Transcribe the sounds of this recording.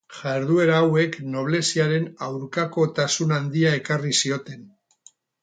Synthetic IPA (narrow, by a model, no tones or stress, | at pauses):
ʝaeɾðue̞ɾaːwe̞kno̞β̞le̞siaɾe̞nawɾkako̞t̪asunand̪iae̞karisio̞t̪e̞n